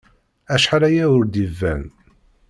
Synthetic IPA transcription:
æʃħaɾæjæʊɾd̪ivːæ̰n

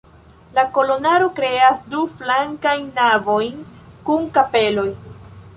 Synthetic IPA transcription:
lako̞lo̞naɾo̞kɾe̞asduflaŋkajnːavo̞jnkunkape̞lo̞j

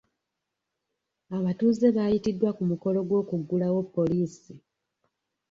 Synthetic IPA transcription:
aβatuːze̞βaːjitidːwakumuko̞lo̞ɡwo̞ːkuɡːulawepːo̞liːsi

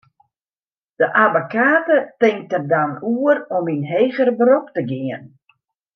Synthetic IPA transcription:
d̥əʔabokaːtətɪŋ̚tərdanuərɔminɦeːɣərbroptəɡiən

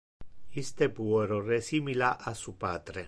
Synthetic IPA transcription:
ist̪epueɾoresimilaʔasupaːt̪ɾe

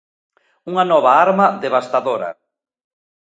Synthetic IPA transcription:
uŋanɔβ̞aaɾmaðeβ̞ast̪aðoɾa̰

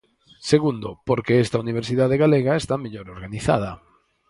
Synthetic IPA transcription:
seɣund̪opoɾkeest̪auniβ̞eɾsiðaðeɣaleɣaest̪ameʎoɾoɾɣaniθa̰ð̞ɐ

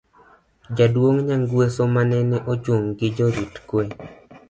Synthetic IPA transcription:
d͡ʒadwoŋɲaŋɡwesomanɛnɛʔot͡ʃoŋɡɪd͡ʒoɾitkwe

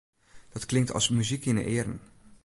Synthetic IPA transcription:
d̥ɑtklɪŋktʰɑ̰lˠsmyzikɪnə̰ʔɪːɾə̰n

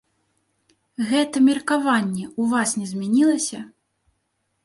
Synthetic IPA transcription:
ɣɛt̪ɐmʲirkavanʲːɛuvasnʲɛzʲmʲɛnʲilˠɐsʲɐ

